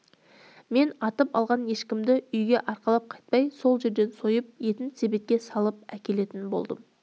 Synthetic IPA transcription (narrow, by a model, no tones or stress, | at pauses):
me̞nɑt̪əpɑ̰lˠʁɑnje̞ʃkʲɪmd̪ɪʏjɡʲe̞ʔɑɾqɑlˠɑp̚qʰɑjt̪̚pɑjso̞lˠʒe̞ɾd̪e̞nso̞jəp̚je̞t̪ɪnsebe̞t̪̚kʲe̞sɑlˠəp̚ækʲe̞le̞t̪ɪnbo̞̰lˠd̪əm